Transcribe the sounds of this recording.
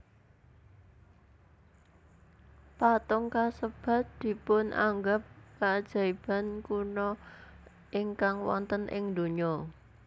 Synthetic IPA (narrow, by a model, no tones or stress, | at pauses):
pat̪ɔŋkasəb̥ä̤t̪̚d̪̥i̤pʊnʔa̰ŋɡap̚kad̥ʒ̥a̤ib̥a̤nkunɔ | ʔɪŋkaŋwɔ̰nt̪ənʔɪ̰ŋd̪o̤ɲɔ